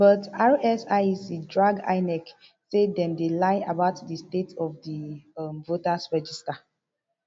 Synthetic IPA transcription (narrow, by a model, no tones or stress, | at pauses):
bətaɹɛsasidɹaɡa̰ɪnɛk | sedɛ̃mdelaɪabaʊtdistetʰɔfdiʌmvotasɹɛd͡ʒista